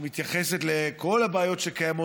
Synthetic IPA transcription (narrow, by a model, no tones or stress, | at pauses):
mit̪jaχe̞set̪leko̞lhabeajo̞tʃekajamo